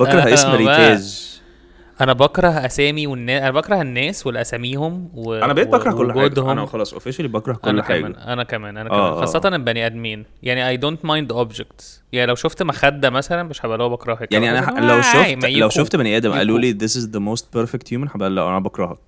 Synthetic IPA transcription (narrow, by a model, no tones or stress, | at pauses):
bɑkɾˤɑhʔesmɾiææːz | ʔænæbɑkɾˤɑhʔæsæːmiwenːæːʔænæbɑkɾˤɑhenːæːswelːæʔæsæmiːhomweænæbeeːtbɑkɾˤɑhkolːħɡoad̪homnxɑlɑːsˤʔo̰feʃælibɑkɾˤɑhʔkolːħa̰ːɡæːænʔænækæmæːnʔænæʔæːxɑsˤːɑt̪ɑnʔembæniʔæd̪miːnjaʕniʔajd̪ont̪majnd̪əʔobd͡ʒek̚t̪ | jaʕnilæwʃoft̪mæxæd̪ːæmæsælænmeʃħæbælːuːæbɑkɾˤɑhekjaʕniʔænælæwʃomjlæwʃoft̪bæniʔæːd̪æmʔæ̰luːliːðɪsɪzðəmoːst̪̚peɾfekt̪hjumænħabʔællːæ̰ʔæ̰næbɑkɾˤɑhɑk̚